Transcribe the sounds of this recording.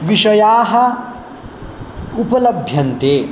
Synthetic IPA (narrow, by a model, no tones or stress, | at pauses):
ʋiʂɐjaːɦɐ | upɐlɐbʱjɐnt̪e